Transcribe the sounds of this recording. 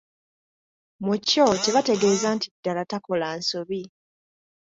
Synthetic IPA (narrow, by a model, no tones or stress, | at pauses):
muco̞te̞βate̞ɡeːzantidːalatako̞laːnsoβi